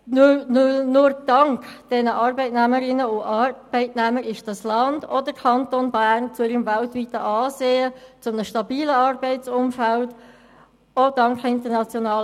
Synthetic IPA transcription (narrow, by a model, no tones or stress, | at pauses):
nnnʊɾd̥ɑŋkd̥ɛnəʔɑːɾbɛɪtnæməɾɪnːəʊʔɑɾb̥ɛɪtnɛməɾɪʃd̥ɑslɑnd̥ɔdəɾkʰɑntonbæːɾnt͡sʊɪɾəmvæltʋitəʔɑːseːət͡sʊmnəʃtɑbiːləɑrbɛɪt͡sʊmfælt | odɑŋkɪntəɾnɑt͡sjonɑːl